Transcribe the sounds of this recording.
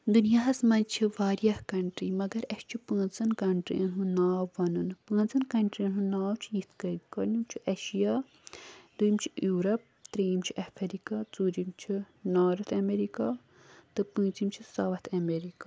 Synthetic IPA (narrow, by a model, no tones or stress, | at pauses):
d̪unjaːɦɐsmɐnt͡ʃʰiʋaːɾijɐhkɐɳʈɾiːmɐɡɐɾɐʃt͡ʃʰipə̃ːnt͡sɐnkɐɳʈɾḭɐɦũnaːwʋɐnunpə̃ːnt͡sɐnkɐɳʈɾiɦunaːwt͡ʃʰijit̪ʰkɐkɐɾnumt͡ʃʰiʔɐʃijaː | d̪ujimt͡ʃʰi̥juːɾɐp̚t̪ɾeːimt͡ʃʰiʔɐfʰɐɾikaːt͡suːɾimt͡ʃʰi | naːɾɐt̪ʰɐmeɾikaː | t̪ɨpɨ̃ːt͡simt͡ʃʰisɐʋɐt̪ʰɐmeɾikaː